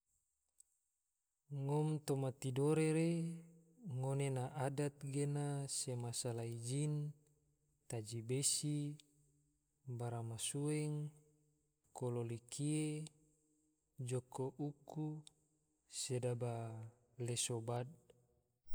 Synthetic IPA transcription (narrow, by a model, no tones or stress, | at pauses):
ŋɔmt̪omat̪idoɾeɾe | ŋonenaʔadat̪̚ɡenasemasalaid͡ʒin | t̪ad͡ʒibesi | baɾamasuɛŋ | kololikʰie | d͡ʒokoʔuku | sedaba | lesobad̚